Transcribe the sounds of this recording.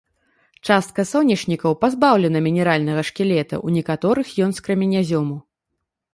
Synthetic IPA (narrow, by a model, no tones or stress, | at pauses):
t͡ʂast̪̚kɐsɔwnʲit͡ʂnʲikɐwpazbawlʲɛnɐmʲinʲɛɾalʲnɐɣɐʂkʲɛlʲɛt̪ɐ̰ʔunʲɛkat̪ɔɾɨxjɔnskɾɐmʲinʲazʲɔmu